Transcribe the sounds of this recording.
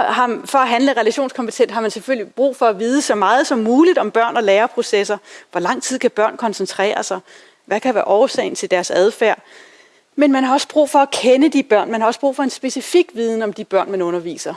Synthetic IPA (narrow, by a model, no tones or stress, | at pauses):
ɦɑ̈fɒ̽æɦænləʁɛlæɕo̝ːnskʰɒ̽mpʰe̥t͡sʰen̰d̥ɦɑ̈mænseføl̰lib̥ʁṵːfɒ̽æʋiːðˠəsɒ̽mɑ̈ːð̞̩ˠsɒ̽mːuːlid̥ɒ̽mb̥ɶɐ̰nɒ̽leːɐpʰʁo̝sesɐʋɒlɑ̈ŋ̰t͡sʰið̰ˠkʰæb̥ɶɐ̰nkʰɒ̽nsənt͡sʰʁɛ̰ːɐsɑ̈ɪ | ʋækʰæʋæːɐʔɒːʊɐsɛ̰ɪn̩t͡sʰe̝ld̥æɐsæð̞ˠfæɐ̰ | menmænhɑ̈ɒ̽səb̥ʁṵːfɒ̽ækʰenəd̥ib̥ɶɐ̰nmænhɑ̈ɒ̽sə̥b̥ʁṵfɒ̽e̝nsb̥e̝sifiɡ̥ʋiːð̞ˠn̩ɒ̽md̥ib̥ɶɐ̰nmænɔ̽nɐʋḭːsɐ